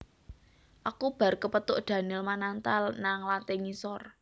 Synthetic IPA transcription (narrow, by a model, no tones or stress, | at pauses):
ʔakub̥a̤rkəpət̪ʊʔd̪̥ä̤nɪlmanant̪alnaŋlant̪ɪŋisɔr